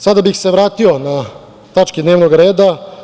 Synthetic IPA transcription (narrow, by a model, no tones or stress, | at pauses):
sad̪abixse̞ʋɾaːt̪iona | t̪at͡ʃkid̪ne̞ːʋnoɡɾeːd̪a